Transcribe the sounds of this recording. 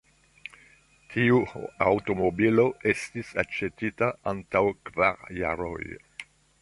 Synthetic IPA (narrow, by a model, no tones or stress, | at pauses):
tʰiuawto̞mobilo̞estisat͡ʃetitaʔantawkvaɾja̰ɾo̰j